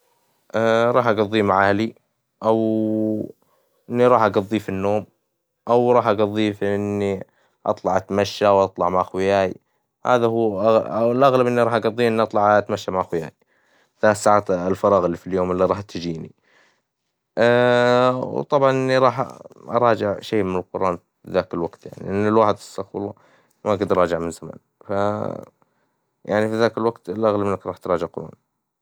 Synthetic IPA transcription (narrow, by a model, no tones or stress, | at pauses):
ʔaɾˤɑːħʔaɡɑðˤːimaʕaːli | ʔaw | ʔɪnːiɾˤɑːħʔaɡɑðˤːifinːoːm | ʔawɾˤɑːħʔaɡɑðˤːifiʔɪnːi | ʔɑ̰t̪ˤlɑʕat̪maʃːawʔɑt̪ˤlɑʕmaʕxwɪjaːḭ | ha̰ːðahuːɣlʔaɣlabʔɪnːiɾˤɑːħʔaɡɑðˤːiʔɪnːiʔɑt̪ˤlɑʕat̪maʃːamaʕxwɪja̰ːji | θalat̪sːaːʕaːt̪ɪlfɑɾˤɑːɣɪlːifiljoːmɪlːiɾˤɑːħt̪ɪd͡ʒiːnḭ | wt̪ˤɑbʕɑnʔɪnːiɾˤɑːħʔɑ̰ɾˤɑːd͡ʒɪʕʃeːmɪnɪlqʊɾˤʔɑːn | fiðaːkɪlwaɡt̪ja̰ʕnḭiʔɪnːɪlwaːħɪd̪ɪ̥sːaxlɑ | maɡɪd̪ɾˤɑːd͡ʒɪʕmɪnzama̰ːn | fa | jaʕnifiðaːkɪlwaɡt̪ɪlʔaɣlabɪnːakɾˤɑːħt̪ɾˤɑːd͡ʒɪʕqʊɾˤɑ̰ːn